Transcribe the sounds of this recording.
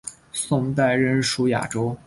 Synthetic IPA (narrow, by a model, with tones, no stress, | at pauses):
sʊ˥˧ŋt̪a˥˧ɪɻə˥˩nʂu˧˥ja̰˨˩ʈ͡ʂo˥ʊ